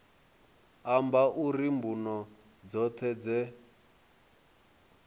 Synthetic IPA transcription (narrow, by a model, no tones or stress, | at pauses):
ambaʔurimbunɔ | d͡zɔt̪ʰɛd͡zɛ